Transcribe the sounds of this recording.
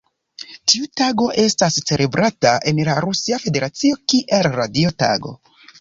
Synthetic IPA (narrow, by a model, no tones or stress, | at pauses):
tiutaɡo̞ʔe̞stast͡se̞lʔe̞bɾʔataʔe̞nlaɾusiafe̞de̞ɾat͡sio̞kiʔe̞lɾadio̞ta̰ɡo̞̰